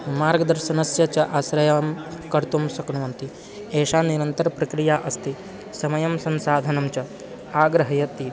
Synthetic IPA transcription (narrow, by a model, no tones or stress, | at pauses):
maːɾɡɐd̪ɐɾʃɐnɐsjɐt͡ʃɐʔasɾɐjamkɐɾt̪umsɐknuʋɐnt̪i | eːʃaːniɾɐnt̪ɐɾɐpɾɐkɾijaːʔɐst̪ʰi | sɐmɐjɐmsɐnsaːd̪ʱɐnɐmt͡ʃɐ | aːɡɾɐɦɐjɐt̪i